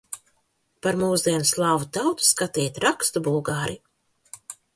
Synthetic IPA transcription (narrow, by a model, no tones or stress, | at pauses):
paɾmuːzd̪iɛnslˠaːvut̪awt̪u̥skat̪iːt̪ʲɾakst̪ubulˠɡaːɾi